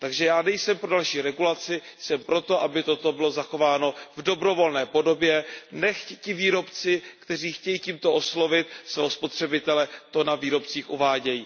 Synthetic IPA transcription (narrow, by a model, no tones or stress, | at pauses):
t̪aɡʒɛjaːnɛjsɛmpɾodalʃiːɾɛɡulat͡sɪjsɛmpɾo̞t̪o̞ʔabɪt̪o̞t̪o̞bɪlo̞zaxo̞vaːno̞vdo̞bɾo̞vo̞lnɛːpo̞do̞bjɛnɛxcɪviːɾo̞pt͡sɪkt̪ɛr̝iːxcɛjiːciːmt̪o̞ʔoslo̞vɪt̪svɛːɦospo̞t̪r̥ɛbɪt̪ɛlɛt̪o̞naviːɾo̞p̚t͡siːxʔuvaːɟɛjiː